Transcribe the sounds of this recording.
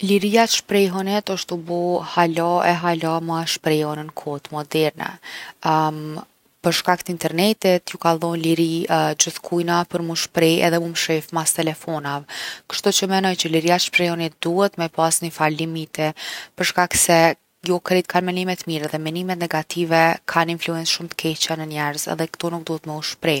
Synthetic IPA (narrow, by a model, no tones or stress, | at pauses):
liɾiat̪ʃpɾɛɦɔnit̪ɔʃt̪ubɔhalɔɛɦalaməʃpɾɛhɔnənkʰɔt̪mɔd̪ɛɾnɛ̰ | pəɾʃkakt̪əint̪ɛɾnɛt̪it̪jukaðɔnliɾid͡ʑiθkʰujnapəɾmuʃpɾɛɛ̰ðɛmumʃɛfmast̪ɛlɛfɔnavɛkə̥ʃt̪ut͡ɕəmɛnɔjt͡ɕəliɾiaʃpɾɛjɔnid̪uɦɛt̪mɛpasnifalːimit̪ɛpəɾʃkaksɛ | jɔkɾɛt̪̚kanmɛnimɛt̪əmiɾɛðɛmɛnimɛt̪nɛɡat̪ʰivɛkʰaninfluɛnsʃumt̪ə̥kʰɛt͡ɕanənɛɾəzɛ̰ðɛkt̪ɔnuk̚d̪uhət̪məuʃpɾɛ